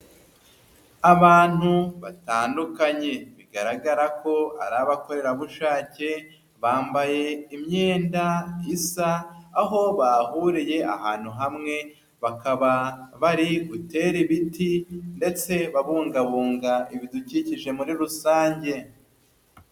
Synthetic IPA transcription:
aβaːn̥huβataːndukaɲe̞βiɡaɾaɡaɾakʰo̞a̰ɾaβako̞ɾe̞ɾaβuʃaːce̞ | βaːmbaje̞imɲeːndaisaːɦo̞βahuɾije̞a̰ɦaːn̥huɦamŋe̞ | βakaβaβaɾiɡute̞ɾiβitinde̞t͡se̞βaβuːŋɡaβuːŋɡaʔiβiduciciʒe̞muɾiɾusaːɲɟe̞

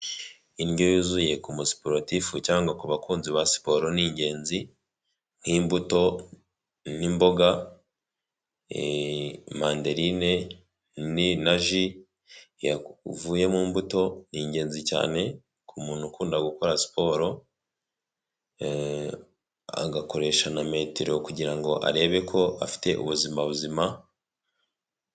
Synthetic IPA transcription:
inɟojizuje̞kumusi̥poɾotifucaːŋɡakuβakuːnziβasi̥po̞ɾoniːɲɟe̞ːnzi | ŋhiːmbuto̞ | nimbo̞ɡa | maːnde̞ɾine̞ | ninaʒi | javuːje̞muːmbuto̞niːɲɟe̞ːnzica̰ːne̞ | kʰumuːnukuːndaɡuko̞ɾasi̥po̞ɾo̞ | a̰ɡako̞ɾe̞ʃaname̞ːteɾo̞kuɟiɾaŋɡo̞ʔa̰ɾe̞ːβe̞kʰo̞ʔafi̥te̞ʔṵβuzimaβuzima

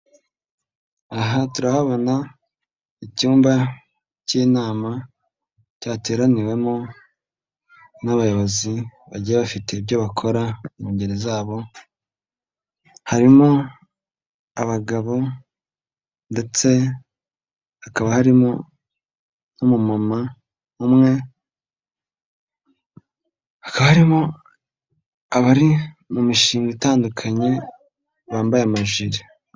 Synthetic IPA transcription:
aɦatuɾahaβo̞na | icuːmba | ciːnaːma | caːte̞ːɾaniwe̞mo | naβajoβaziβaɟijaβafite̞ibjo̞βakʰo̞ɾamuɲɟeɾezaːβo̞ | haɾimo | aβaɡaβo̞ | nde̞t͡se̞ | akaβahaɾimo | nomumama | umŋe̞ | hḁkaβahaɾimo | aβaɾimumiʃiːŋɡitaːndukʰaɲe̞ | βaːmbajamaʒwiɾi

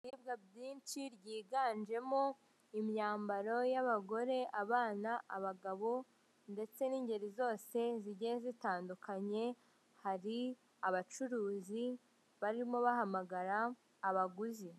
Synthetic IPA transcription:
ibɡabɟiːnt͡ʃiɾɟiːɡaːnd͡ʒe̞mo̞ | imɲaːmbaɾo̞jaβaɡo̞ɾe̞ʔaβaːnaʔaβaɡaβo̞ | nde̞t͡se̞niːɲɟe̞ɾizo̞ːse̞ziɟezitaːndukʰaɲe̞ | haɾi | aβat͡ʃuɾuːzi | βaɾimo̞βahamaɡaɾaː | βaɡuzi

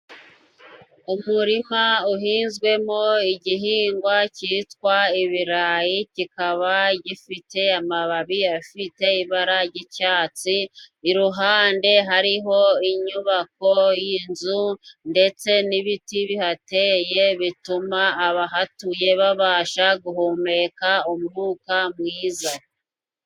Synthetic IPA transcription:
umuɾiŋ̥auɦiːnzɡwe̞mo̞iɟiɦiːŋɡwacitkwaiβiɾajicikaβaɟifite̞amaβaβijafite̞iβaɾaɟicaːt͡siːɾuɦaːnde̞ɦaɾiɦo̞iɲuβako̞jinzunde̞t͡se̞niβitiβihate̞ːje̞βitumaːβaɦatuje̞βaβaːʃaɡuɦoːme̞kaomuŋuːkamŋiːza

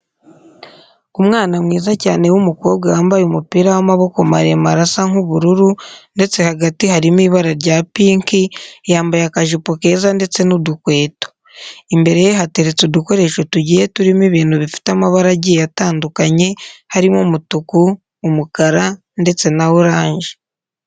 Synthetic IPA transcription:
umŋaːnamŋiːzaca̰ːne̞wumuko̞ːbɡwaaːmbajomupiːɾawamaβo̞ko̞ma̰ɾemaɾasaŋuβuɾuɾunde̞t͡se̞haɡatiɦaɾimiːβaɾaɾɟaːpiːŋkijaːmbajakaʒupoke̞zande̞t͡se̞nudukwe̞ːto̥ | imbe̞ɾe̞jeɦateɾet͡suduko̞ɾe̞ːʃo̞tuɟije̞tuɾimiβiːnuβifi̥tamaβaɾaɟijataːndukaɲe̞haɾimomutukuː | mukaɾa | nde̞t͡se̞nawuɾaːɲʒi̥

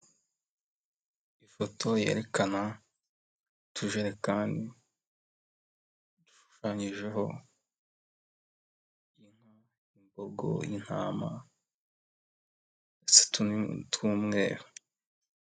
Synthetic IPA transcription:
ifo̞tʰo̞je̞ːɾe̞kana | tʰuʒeɾe̞kaːndi | d̥u̥ʃu̥ʃaːɲiʒe̞ɦo̞ | in̥a | imboɡo̞̰ḭn̥ha̰ːma̰ | ese̥ttwuːmŋe̞̰ːɾo

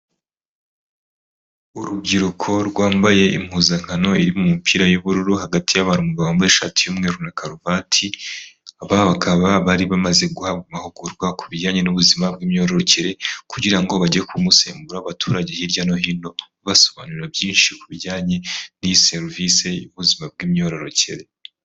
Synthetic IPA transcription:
uɾub̚ɡiɾukʰo̞ɾɡwaːmbaje̞ʔḭm̥huːzaŋ̥hano̞iɾimumupiːɾajuβuɾuɾuhaɡatʰijaβaɾumuɡawaːmbaeʃa̰tʰijumŋeɾunakaɾovatʰi | aβaβakʰaβaβaɾiβamaze̞ɡuhaɡmahuɡuɾɡwakʰuβiɟaːɲe̞nuβuzimabɡiːmɲo̞ːɾo̞ɾoceɾe̞kuɟiɾaŋɡo̞βaɟekʰumuse̞̰ːmbuɾaβatʰuːɾaɟe̞hiɾjano̞ɦino̞ | βaso̞βaːnuɾabjiːnʃikuβiɟaːɲe̞nise̞ɾvise̞juβuzimab̚ɡiːmɲo̞ɾo̞ɾo̞cḛɾe̞

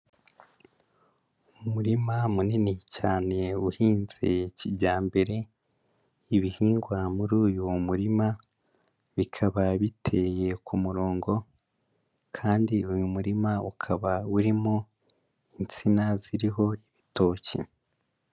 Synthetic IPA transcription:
umuɾimamuninicaːne̞uhiːnz̥e̞cibɟaːmbe̞ɾe̞ | iβihiːŋɡwamuɾuːjumuɾima | βikʰaβaβitʰe̞je̞kʰumuɾoːŋɡo̞ | kʰaːndiujumuɾimaukʰaβauɾimo | int͡sinaziɾiɦo̞iβito̞ːcḛ

